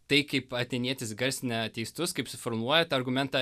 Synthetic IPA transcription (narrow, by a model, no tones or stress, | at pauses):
t̪ɐɪkɐɪpɐt̪ʲɛɪnʲiɛt̪ʲɪsɡɐɾʲsʲɪnʲɛt̪ʲɛɪst̪ʊskɐɪpsʲʊfɔɾmuɔjɛt̪ːɐɾɡʊmʲɛnt̪ɑ